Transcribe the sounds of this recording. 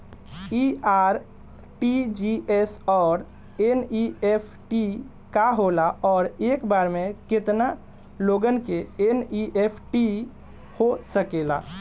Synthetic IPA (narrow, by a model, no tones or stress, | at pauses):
iaɾ | ʈid͡ʒiesɔːɾ | eniepʰʈi | kaɦolaʔɔːɾekbaɾmeket̪na | loɡənkeeniʔepʰʈi | hosəkela̰